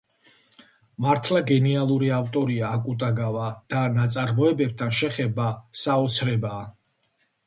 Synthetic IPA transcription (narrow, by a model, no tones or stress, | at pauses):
maɾt̪ʰlaɡɛnialˠuɾiaft̪ʼɔɾiaːkʼut̪ʼaɡavad̪̥anat̪sʼaɾmɔɛbɛb̚t̪ʰanʃɛχɛbasaɔt̪sʰɾɛbaː